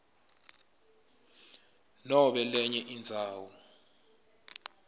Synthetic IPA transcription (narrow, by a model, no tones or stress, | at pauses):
nɔɓɛlɛɲɛʔind͡zʱaːwɔ